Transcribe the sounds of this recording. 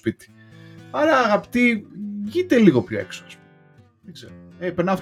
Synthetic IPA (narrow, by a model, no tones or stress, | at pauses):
spit̪i̥ | ɐɾɐːɣɐpi̥t̪iʝit̪e̞liɣopço̰e̞̰kso̥s | ðeɡzeɾoepenɐf